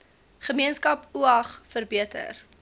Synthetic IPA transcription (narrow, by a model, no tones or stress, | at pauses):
χəmiənskɐpuɐχfərbiətə̰r